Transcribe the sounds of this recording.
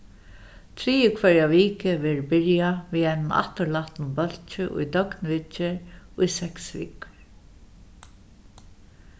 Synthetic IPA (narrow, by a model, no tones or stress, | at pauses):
t̪ʰɾiːəkʰvɛɹjaʋiːkɪʋɛːɹbɪɹjaʋiːajnʊna̰ht̪əɾlaht̪nʊmbœl̥t͡ʃɪʔʊ̰jd̪œknʋɪt͡ʃɪɹʊjsɛksʋḭːkʊ̥ɹ